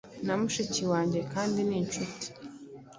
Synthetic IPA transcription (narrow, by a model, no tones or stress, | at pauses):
namuʃiciwaːɲɟekaːndiniːnt͡ʃuti̥